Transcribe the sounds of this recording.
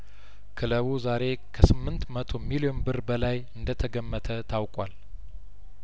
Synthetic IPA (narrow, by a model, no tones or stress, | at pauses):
kʰɨləβuzaɾe̞kʰəsɨmːɨnt̪mət̪ʰo̞milio̞nbɨɾbəlajɨnd̪ət̪ʰəɡəmːət̪ʰət̪ʰawkʼwal